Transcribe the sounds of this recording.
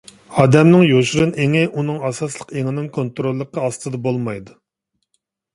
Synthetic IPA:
ɑːd̪ɛmnɪŋjoʃuɾɨneŋɪʔunɨŋɑsɑslˠəqeŋɪnɪŋkʰont̪ɾolˠːəqːəɑst̪ɨd̪ɑbolˠmɑjd̪u

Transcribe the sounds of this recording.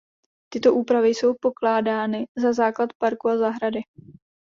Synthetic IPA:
t̪ɪt̪o̞ʔuːpɾavɪjso̞wpo̞klaːdaːnɪzazaːklat̪paɾkuazaɦɾadɪ

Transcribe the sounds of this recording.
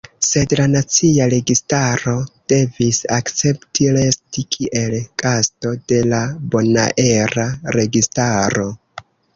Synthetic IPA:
se̞dlanat͡siaɾe̞ɡistaɾo̞d̥e̞visakt͡se̞ptiɾe̞stikʰiʔe̞lkasto̞de̞labo̞na̰ʔe̞ɾaɾe̞ɡistaɾo̞

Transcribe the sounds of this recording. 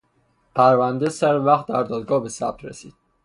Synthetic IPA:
pʰæɾvænd̪esæɾvæχt̪̚d̪æɾd̪ɒːd̪ɡɒːhbesæ̰b̚t̪ʰɾesiːd̪̥

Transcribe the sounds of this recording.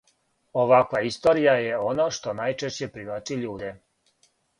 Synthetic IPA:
o̞ʋakʋaist̪o̞ɾijajeo̞noʃt̪o̞najt͡ʃeʃt͡ɕepɾiʋat͡ʃiʎuːd̪e

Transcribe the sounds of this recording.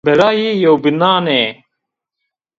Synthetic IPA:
bɛɾaːjejowbinaːneː

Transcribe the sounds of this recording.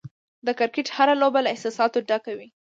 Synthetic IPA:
d̪əkaɾkeʈhaɾalobalaɪhsɑsɑt̪oɖakawi

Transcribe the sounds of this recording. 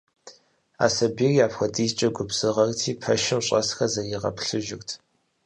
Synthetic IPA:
a̰ːsɐbiːrjaːpxʷɐtʼiːzt͡ʃʼɐɡʷʊbz̥ɨʁɐrtʰiːpʰɐʃɪmɕʼɐsxɐzɐjɪʁɐ̰pɬɨʒɪxtʰ

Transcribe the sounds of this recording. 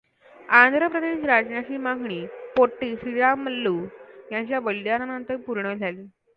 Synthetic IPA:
and̪ʱɾəpɾəd̪eɕɾad͡ʑnjat͡ɕiːmaɡɳiːpoʈːiːsɾiɾaməlːujaɲt͡ɕjaʋəlːjananənt̪əɾpuɾɳəd͡zʱaliː

